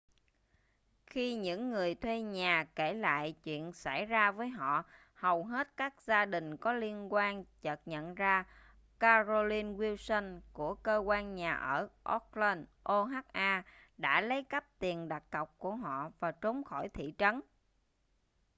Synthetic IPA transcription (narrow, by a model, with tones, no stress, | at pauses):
xi˧ɲɨ̰˧˥ŋːɨ˨˩əjt̪ʰwe˧ɲaː˨˩ke˧˩la̰ː˧˨jt͡ɕwḭ˧˨ənsa˧˩jzaː˧vəː˨˦jɦɔ̰˧˨ | hə˨˩wɦe˦˥t̚kaː˦˥k̚zaː˧ɗï˨˩ŋ̟kɔ˨˦li˧ənkwaː˧nt͡ɕə˨˩t̚ɲə̰˧˨nzaː˧ | kaː˧zo˧li˧nwi˧wsə˧nku˧˩əkəː˧kwaː˧nɲaː˨˩ʔəː˧˩ʔɔ˦˥k̚lə˧nʔo˧ɦaː˦˥t̚ʔaː˧ | ɗa̰ː˧˥lə˨˦jkə˦˥p̚t̪i˨˩ənɗa˨˩k̚kə˨˩wk͡p̚ku˧˩əɦɔ̰˧˨vaː˨˩t͡ɕo˨˦ŋ͡mxɔ˧˩jt̪ʰḭ˧˨t͡ɕə˨˦n